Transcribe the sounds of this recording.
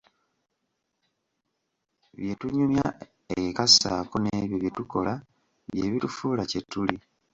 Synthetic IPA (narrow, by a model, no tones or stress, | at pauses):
βje̞tuɲumja | ekasa̰ːkoneβjoβjetuko̞la | βje̞βitufuːlacetːuli